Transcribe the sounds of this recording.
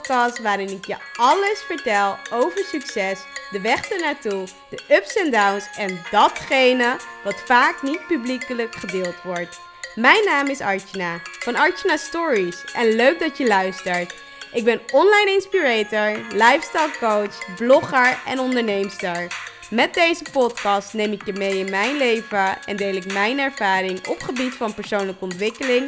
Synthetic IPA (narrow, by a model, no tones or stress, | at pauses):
kɑstʋaːɾɪnɪkjəɑləsfəɹtɛlˠowvəɹsyksɛsdəʋɛχdəɹnaːtu | d̥əʔɵpsɛndawnsɛndɑtχejnəʋɑtfaːknit̚pyblikələkχədɪːlˠtʋɔɹt | mɛjnaːmɪsɑ̰ɹt͡ʃinaːfɑnɑɹt͡ʃənaːstɔːɹisʔɛnløɥɡ̚dɑtjəlœɥstəɹt | ʔɪɡ̚bɛnɔnlajnɪnspiɹejtəɹlɑjfstɛjlˠkowt͡ʃblɔχəɹɛ̰nɔndəɹnejmstəɹ | mɛt̚dejzəpɔtkɑstnejmɪkjəmejɪnmɛjnlejvəɛ̰ndejlɪkmɛjnɛɹv̥aːɾɪŋɔ̰pχəbitfɑnpəɹsownləkəɔntʋɪkəlɪŋ